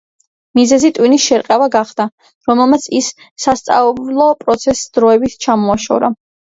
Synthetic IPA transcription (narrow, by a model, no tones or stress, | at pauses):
mizɛzit̪ʼwinisʃɛɾqʼɛvaɡaχd̪a | ɾɔmɛlˠmat̪sʰisː | ast̪sʼa̰lˠɔpʼɾɔt̪sʰɛsd̪ɾɔɛbit̪ʰt͡ʃʰamɔaʃɔ̰vɾa